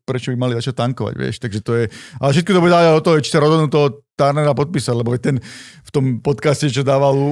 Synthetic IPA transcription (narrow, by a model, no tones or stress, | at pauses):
pɾɛt͡ʃɔbimalizat͡ʃat̪aŋkɔʋa̰ɟʋɪ̰ɛ̰ʃt̪aɡʒɛt̪ɔjɛalɛfʃɛt̪̚kɔt̪buɟɛd̪aːʋaɟaɔt̪ɔɦɔjɛt͡ʃi̥saɾɔzɔd̪nuːt̪ɔɦɔt̪aɾnɛɾapɔt̪̚piːsaɟlɛbɔʋɛt̪ɛnft̪ɔmpɔt̪kascɛt͡ʃɔd̪aːʋalu